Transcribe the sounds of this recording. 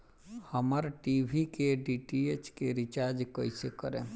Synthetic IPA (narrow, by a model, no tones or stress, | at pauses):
həməɾʈiːbʱikeɖiːʈiet͡ʃkeɾɪt͡ʃaːɾd͡ʒkəisekəɾḛ̃ː